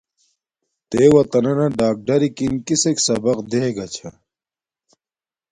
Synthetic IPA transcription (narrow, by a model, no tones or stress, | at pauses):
t̪eːwɐt̪ɐnɐnɐɖaːk̚ɖɐɾikinkiseksɐbɐqd̪eɡɐt͡ɕʰɐ̰